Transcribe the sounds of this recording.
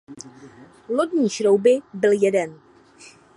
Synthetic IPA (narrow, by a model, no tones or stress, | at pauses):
lodɲiːʃɾowbɪbɪljɛdɛn